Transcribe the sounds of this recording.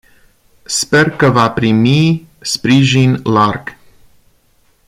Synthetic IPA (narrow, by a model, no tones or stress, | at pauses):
spe̞rkəvapɾimispɾiʒinlarɡ̥